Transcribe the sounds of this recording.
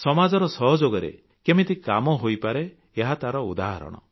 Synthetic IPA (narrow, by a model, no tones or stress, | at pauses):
sɔmad͡ʒɔɾɔsɔɦɔd͡ʒoɡɔɾḛ | kemit̪ikamɔɦojpaɾeː | ɦat̪aɾɔud̪aɦa̰ɾɔ̰ɽ̃ɔ̰